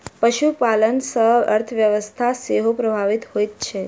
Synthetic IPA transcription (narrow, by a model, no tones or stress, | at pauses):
pəʃupalənsəɦəɾt̪ʰəʋjəʋəst̪ʰaseɦopɾəbʱaʋit̪ɦojt̪̚t͡ʃʰe